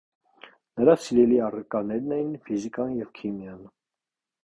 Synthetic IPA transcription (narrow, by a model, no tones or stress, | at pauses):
nəɾɑsiɾɛliɑrəkɑnɛɾnɛjinfizikɑnjɛvkʰimjɑn